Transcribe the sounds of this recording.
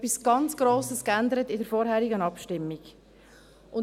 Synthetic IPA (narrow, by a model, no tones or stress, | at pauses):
pːisɡ̥ɑnt͡sɡ̥ɾoːsəskænd̪əɾətɪdəɾfɔːɾɦɛːɾiɡənɑpʃtɪmːiɡ̥ | ʔʊn